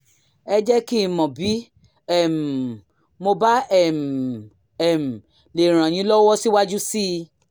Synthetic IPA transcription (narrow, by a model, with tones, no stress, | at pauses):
ɛ˧d͡ʒɛ˦ki˦mɔ̃˨bi˨˦ | ɛ˦˨m˨ | mo˧ba˦ɛ˦˨m˨ | ɛ˨m̩˨ | le˨ɾ̃ã˨j̃ĩ˧˦lɔ˦wɔ˦si˦wa˦d͡ʒu˦si˦˧